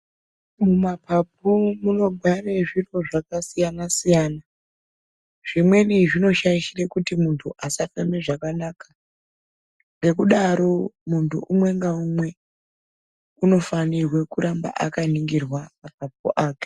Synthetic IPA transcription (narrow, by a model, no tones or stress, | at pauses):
mumapʰap̚umuno̞ɡʱwareʐiro̞ʐakasijanasijana | ʐ̥imwe̞niʐino̞ʃaiʃirekutimuntʰuʔasafeme̞ʐakanaːka | ŋɡe̞kuɗaɾo̞muntʰṵʔumwe̞ŋɡaumwe̞ | uno̞fanirwe̞kuɾamba̰ʔakaniŋɡirwamap̚ap̚ṵʔaːke̥